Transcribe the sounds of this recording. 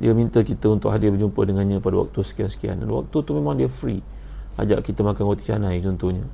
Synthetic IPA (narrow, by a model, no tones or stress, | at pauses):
diəmint̪əkit̪əunt̪ʊ̰ʔɦadɪrbəd͡ʒumpədəŋanɲəpadawa̰k̚t̪usə̥kiansə̥kia̰nanwa̰k̚t̪ut̪umemãŋdiəfɾi | a̰d͡ʒa̰ʔkit̪əmakanwot̪i̥t͡ʃa̰nãit͡ʃɔnt̪ʊhɲə